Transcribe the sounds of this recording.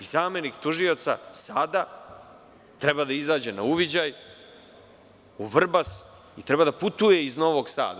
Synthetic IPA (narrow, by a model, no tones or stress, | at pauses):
izaːmje̞nikt̪uʒio̞t̪sa̰sad̪a | t̪ɾe̞bad̪aizaːd͡ʑe̞nauʋid͡ʑaj | uʋr̩bas | it̪ɾe̞bad̪aput̪uje̞izno̞ʋo̞ɡsa̰ːd̪a